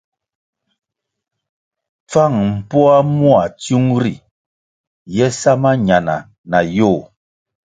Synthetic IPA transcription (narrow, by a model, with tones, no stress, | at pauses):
p͡fa˦˨ŋm̩˨pɔ˦a˦mu˦a˨tju˦ŋɾi˨ | jɛ˦sa˦ma˦ɲa˨na̰˨ | na˨jo˦˨